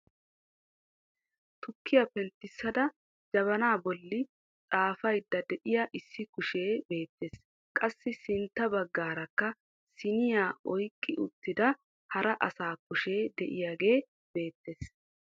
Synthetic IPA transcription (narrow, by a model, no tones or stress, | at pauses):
t̪ʊkːɪjɐpɛnt̪ːɪsːɐd̪ɐ | d͡ʒɐβɐnaːbɔlːɪ | t͡sʼaːfɐjd̪ːɐd̪ɛʔɪjaʔɪsːɪkʊʃe̞ːbe̞ːt̪ːeːs | kʼɐsːɪsɪnt̪ːɐbɐɡːaːɾɐkːɐ | sɪnɪjaːʔɔjkʼːɪʔʊt̪ːɪd̪ɐ | hɐɾɐʔɐsaːkʊʃe̞ːd̪ɛʔɪjaːɡe̞ː | b̥e̞ːt̪ːeːs